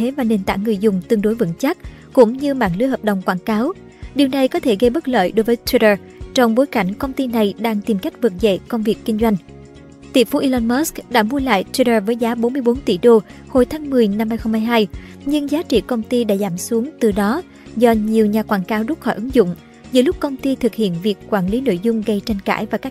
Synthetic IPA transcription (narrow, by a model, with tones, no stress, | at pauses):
e˨˦vaː˨˩ne˨˩nt̪a̰ː˧˩ŋːɨ˨˩əjzʊ˨˩ŋ͡mt̪ɨ˧əŋɗo˨˦jvə̰˧˥˨nt͡ɕa˦˥t̚kʊ̰˧˥ŋ͡mɲɨ˧ma̰ː˧˨nlɨ̰˧˥əhəː˨˩p̚ɗə˨wŋ͡mkwaː˧˩nkaː˨˦w | ɗi˨˩wna˨˩jkɔ˨˦t̪ʰe˧˩ɣə˧jɓə˦˥t̚lə̰ː˧˨jɗo˨˦jvəː˨˦jt̪ʰwi˧ɾəː˧˩ | t͡ɕɔ˧wŋ͡mɓo˨˦jka˧˩jŋ̟kə˧wŋ͡mt̪i˧na˨˩jɗaː˧ŋt̪i˨˩mka˦˥jk̟̚vɨ˨˩t̚zḛ˧˨kə˧wŋ͡mvi˨˩əkːï˧ŋ̟zwa˧jŋ̟ | t̪ḭ˧˩əfu˨˦ʔi˧lɔ˧nmɔ˦˥skɗa̰ː˧˥mu˧əla̰ː˧˨jt̪wi˧ɾəː˧˩vəː˨˦jzaː˨˦ɓo˨˦nmɨ˧əjɓo˨˦nt̪ḭ˧˩ɗo˧ho˧jt̪ʰaː˨˦ŋmɨ˨˩əjna˧mhaː˧jxə˧ŋ͡mhaː˧jɦaː˧jɲɨ˧ŋzaː˨˦t͡ɕḭ˧˨kə˧wŋ͡mt̪i˧ɗa̰ː˧˥zaː˧˩msu˨˦əŋt̪ɨ˨˩ɗɔ˨˦ | zɔ˧ɲi˨˩əwɲaː˨˩kwaː˧˩nkaː˨˦wzʊ˦˥t̚xɔ˧˩jʔɨ˨˦ŋzʊ̰˧˨ŋ͡m | zɨ̰˧˩˦lʊ˦˥k͡p̚kə˧wŋ͡mt̪i˧t̪ʰɨ˨˩k̚hḭ˧˨ənvi˨˩əkːwaː˧˩nli˨˦no̰˧˨jzʊ˧ŋ͡mɣə˧jt͡ɕa˧jŋ̟ka̰ː˧˩jvaː˨˩kaː˦˥